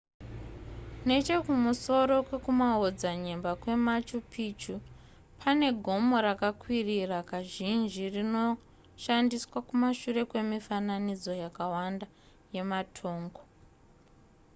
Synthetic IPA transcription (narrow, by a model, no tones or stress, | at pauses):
ne̞t͡ʃe̞kumuso̞ɾo̞kwe̞kumaod͡zaɲe̞mbakwe̞mat͡ʃupit͡ʃu | pʰane̞ɡʱo̞mo̞ɾakakwirirakaʒind͡ʒirino̞ | ʃandiswakumaʃure̞kwe̞mifananid͡zo̞jakawanda | je̞matʰo̞ːŋɡo